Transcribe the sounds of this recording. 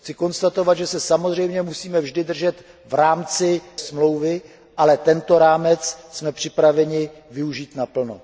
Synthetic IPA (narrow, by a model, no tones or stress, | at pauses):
xt͡sɪko̞nst̪at̪o̞vad̪ʒɛsɛsamo̞zr̝ɛjmɲɛmusiːmɛvʒdɪdr̩ʒɛt̪ | vɾaːmt͡sɪsmlo̞wvɪ | ʔalɛt̪ɛnt̪o̞ɾaːmɛt͡ssmɛpr̝̥ɪpɾavɛɲɪvɪuʒiːt̪napl̩no̰